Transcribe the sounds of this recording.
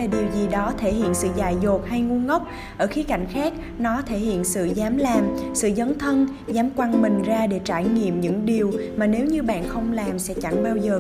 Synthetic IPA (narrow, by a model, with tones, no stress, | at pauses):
laː˨˩ɗi˨˩əwzi˨˩ɗɔ˨˦t̪ʰe˧˩hḭ˧˨ənsɨ̰˧˨zaː˧˨˩jzo˨˩t̚ha˧jŋu˧ənŋə˦˥wk͡p̚ | ʔəː˧˩xi˨˦ka̰˧˩jŋ̟xaː˦˥k̚ | nɔ˨˦t̪ʰe˧˩hḭ˧˨ənsɨ̰˧˨zaː˨˦mlaː˨˩msɨ̰˧˨zə˨˦nt̪ʰə˧n | zaː˨˦mkwa˧nmï˨˩ŋ̟zaː˧ɗe˧˩t͡ɕaː˧˩jŋḭ˧˨əmɲɨ̰˧˥ŋɗi˨˩əwmaː˨˩ne˨˦wɲɨ˧ɓa̰ː˧˨nxə˧wŋ͡mlaː˨˩msɛ̰˧˥t͡ɕa˧˩ŋɓaː˧wzəː˨˩